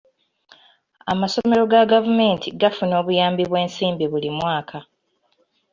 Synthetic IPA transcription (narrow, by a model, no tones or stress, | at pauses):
a̰masome̞ɾo̞ɡaɡavume̞ːntʰiɡafuno̞ːβujaːmbiβwe̞ːnsiːmbiβulimwaːkʰa